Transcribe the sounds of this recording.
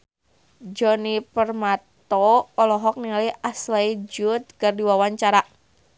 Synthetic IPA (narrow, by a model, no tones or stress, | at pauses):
d͡ʒɔnipərmat̪ɔːlɔɦɔk̚niŋlijaslajd͡ʒut̪̚kərdiwawaɲt͡ʃaɾa